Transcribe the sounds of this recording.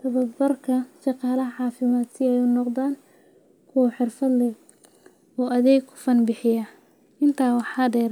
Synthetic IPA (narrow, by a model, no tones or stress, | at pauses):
t̪ʰɐβɐbbɐrkʰɐʃɑqɑːlɐɦɐʕɑːfɪmaːd̪sɪɛjʊnɔqðaːn | kʰʊwɐħɪrfɐd̪lɛ | ɔːʔɐðɛːkʰʊ̥fɐnbɪħɪjɐ | ʔɪnt̪ʰaːwɑħɑːdɛːɾ